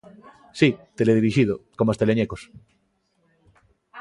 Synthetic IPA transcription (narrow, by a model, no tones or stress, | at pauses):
sit̪eleðiɾiʃiðokomest̪eleɲekos